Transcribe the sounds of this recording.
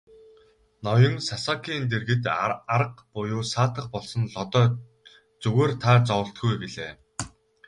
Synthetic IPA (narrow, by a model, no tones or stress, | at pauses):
nɔjɞ̆ŋsasakʰiːnt̪̬erɣɘ̆t̪aɾə̆qpʊjʊːsaːt̪ə̆χpɔɮsɞ̆nɮɔt̪ɔː | t͡sɵɣeːrt̪ʰaːt͡sɔwə̆ɬt̪̚ɡujpiɮeː